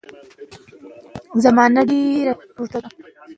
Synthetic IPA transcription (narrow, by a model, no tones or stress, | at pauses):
zamɑːnaɖeɾapuɾt̪aa